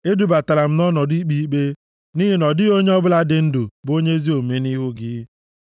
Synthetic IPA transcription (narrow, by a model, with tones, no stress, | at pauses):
e˦du˨ba˨ta˨la˨m̩˦nɔ˦nɔ˨di˦k͡pi˦i˦k͡pe˦ | ni˦ɦi˦nɔ˨dɪ˦o˦ɲe˦ɔ˦bʊ˦la˦dɪ˨˦n̩˦du˨bo˦ɲe˦zi˦o˨me˦ni˦ɦʊ˦ɡɪ˦